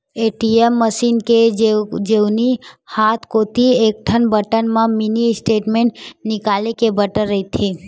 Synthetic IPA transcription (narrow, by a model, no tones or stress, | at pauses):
eʈiemːəsiːnked͡ʒewnihat̪ʰkot̪iek̚ʈ̪ʰənbəʈənmãminisʈeːʈmẽɳʈnɪkalekebəʈəɾːəɦit̪ʰe